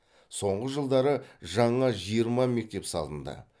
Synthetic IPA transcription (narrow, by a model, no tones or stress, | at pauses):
so̞ɴʁəʒəlˠd̪ɑɾəʒɑɴɑʒijəɾmɑme̞k̚t̪e̞psɑ̰lˠə̰nd̪ə̰